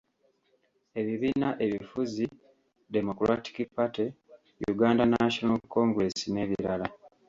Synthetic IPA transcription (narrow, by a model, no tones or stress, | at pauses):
e̞βiβiːnaʔe̞βifuzi | demokulwati̥kipːate | jṵɡaːndanaʃonalkːo̞ːŋɡɾe̞sine̞ːβiɾala